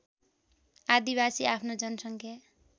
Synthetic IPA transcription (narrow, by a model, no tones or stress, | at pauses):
ad̪ibasiapʰnod͡zʌnʌsʌŋkʰja